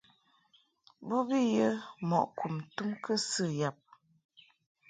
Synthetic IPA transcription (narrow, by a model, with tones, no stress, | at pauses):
bɔ˦bi˦jə˦mɔ̰˨ʔku˨mtu˦mkə˦sɨ˦˨ja˨p̚